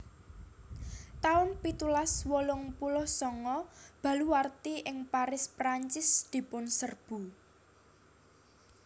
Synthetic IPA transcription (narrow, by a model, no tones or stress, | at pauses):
t̪aʊnpit̪ulaswolʊŋpulɔhsɔŋɔb̥ä̤luwart̪iʔɪŋpaɾɪspɾaɲt͡ʃɪsd̪̥i̤pʊnsərb̥ṳ